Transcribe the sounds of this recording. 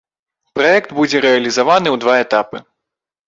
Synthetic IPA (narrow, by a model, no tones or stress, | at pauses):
pɾaɛkd̪bud͡zʲɛɾɛɐlʲizavanɨwd̪vaɛt̪apɨ